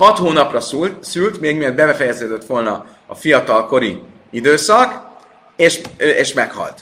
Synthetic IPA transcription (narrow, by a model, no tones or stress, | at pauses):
hɒt̪hoːnɒprɒsylt̪meːɡmird̪̚bɛbɛfɛjɛzøːd̪øt̪ːʋo̞lnɒ | ɒ̰fijɒt̪ɒlko̞ɾi | id̪øːsɒk | eːʃeːʃmɛkhɒ̰lt̪